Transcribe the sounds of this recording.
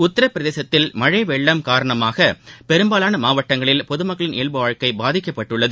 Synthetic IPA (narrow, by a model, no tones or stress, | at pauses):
ʊt̪ːɐɾɐpːɪɾɐðeːsɐt̪ːɪlmɐɻɐɪʋɛɭːɐmkaːɾɐɳɐmaːɣɐpɛɾɯmbaːlaːnɐmaːʋɐʈːɐŋɡɐɭɪlpɔðɯmɐkːɐɭɪneːɭbɯʋaːɻkɐɪbaːðɪkːɐpːɐʈːɯɭːɐðɯ